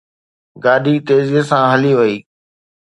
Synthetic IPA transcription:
ɡaːɖiːt̪eːziːəsãɦəliʋəiː

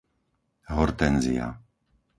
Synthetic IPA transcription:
ɦɔɾt̪ɛnzḭa̰

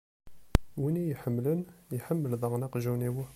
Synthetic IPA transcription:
winijħəmːlənjħəmːəlðˤɑʁnɑqʒuniwæ

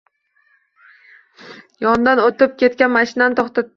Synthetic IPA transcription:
jɒnd̪anot̪ɪp̚kʲʰe̞t̪̚kʲanmaʃɪnanɪt̪ʰɒχt̪ʰat̪ː

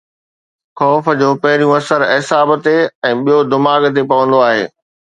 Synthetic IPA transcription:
xɔːf̆d͡ʑoːpɐɦɪɾijũɐsəɾɪsaːbt̪eɛ̃ːɓijod̪ɪmaːɡt̪̬epɐʋə̃nd̪oaːɦḛː

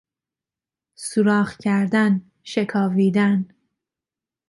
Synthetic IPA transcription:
suɾɒːxcʰæɾd̪æn | ʃekʰɒːviːd̪æn

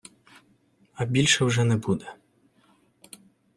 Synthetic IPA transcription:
ɐbʲilʲʃɛwʐɛnɛbud̪ɛ

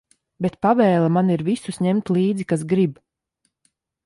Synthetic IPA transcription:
bet̪pavɛːlˠamaniɾvisusɲɛmt̪lˠiːd̪zikasɡɾib

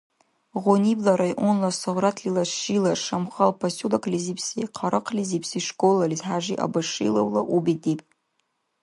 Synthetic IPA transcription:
ʁonʲiblaɾajʔonlasɨʁʷratʰlilaʂilaʂamχalpʰasulakʼlizipsiqʰaɾʔɨqʰlʲizipsiʂkʼolalizħaʒiʔa̰baʂḭlawlaʔubidipʼ

